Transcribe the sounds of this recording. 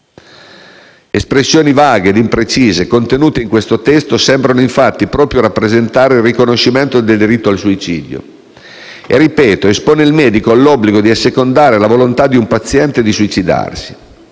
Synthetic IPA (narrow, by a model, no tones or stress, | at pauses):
espɾesːjoːnivaːɡeːd̪impɾet͡ʃiːzekont̪enuːt̪eiŋkwest̪ot̪ɛst̪osɛmbɾanoiɱfat̪ːipɾɔːpɾjoɾapːɾezent̪aːɾeilrːikonoʃːiment̪od̪eld̪iɾit̪ːoalsuit͡ʃiːd̪jo̰ | ḛrːipɛːt̪oespoːneilmɛːd̪ikoalːɔbːliɡod̪iasːekond̪aːɾelavolont̪ad̪ːiumpat̪sːjɛnt̪ed̪isuit͡ʃid̪a̰rsi̥